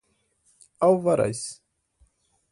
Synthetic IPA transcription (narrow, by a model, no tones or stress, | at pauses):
awvaɾa̰js